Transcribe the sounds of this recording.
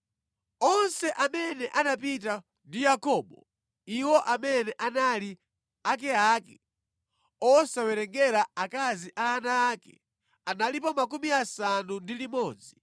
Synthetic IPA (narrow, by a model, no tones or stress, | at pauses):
ɔnsɛʔamɛnɛʔanapit̬a | ndijakɔːɓɔ̰ | iwɔʔamɛnɛʔanali | ak̬ɛaːkɛ̥ | ɔsawɛɾɛŋɡɛɾaakaziʔaːnaːkɛ̰ | analipɔmak̬umiasanundilimɔːd͡zi